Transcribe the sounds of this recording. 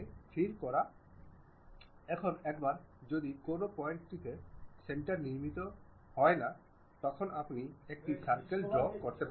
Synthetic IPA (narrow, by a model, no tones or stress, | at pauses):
fʰiɾkɔɾa | ɛkʰonɛkbaɾd͡ʑod̪ikonopɔjeɳʈʈik̪eseɳʈaɾniɾmit̪o | hɔena | t̪ɔkʰonʔapniek̚ʈisaɾkeld͡ʑɔbkoɾt̪ep